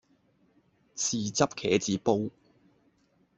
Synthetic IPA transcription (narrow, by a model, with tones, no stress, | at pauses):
t͡sʰiː˨˩t͡sɐ˥p̚kʰɛː˨˥t͡siː˨˥po˥w